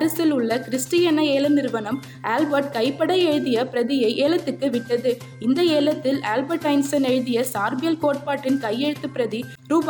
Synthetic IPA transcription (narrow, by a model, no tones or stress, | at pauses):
ɐɾɐsɪlɯɭːɐkɪɾɪsʈɪjɐnɐeːlɐnɪɾʋɐnɐm | aːlbɐɾʈ̚kɐɪpːɐɽɐɪɛɻðɪjɐpɪɾɐðɪjɐɪʔeːlɐt̪ːɯkːɯʋɪʈːɐðɯ | ɪnd̪ɐeːlɐt̪ːɪlaːlbɐɾʈːɐɪnsɐnɛɻðɪjɐsaːɾbɪjɐlkoːʈ̚paːʈːɪnkɐjːɛɻɯt̪ːɯpːɪɾɐði | ɾuːb